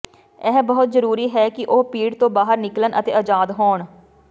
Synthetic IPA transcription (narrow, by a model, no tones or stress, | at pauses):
ɛːbɔɦʊt̪zəɾuːɾiːɦɛːkɪʔoːpiːɽt̪õːbaːɦəɾnɪklənʔət̪eːəd͡ʒaːd̪ɦoːɳ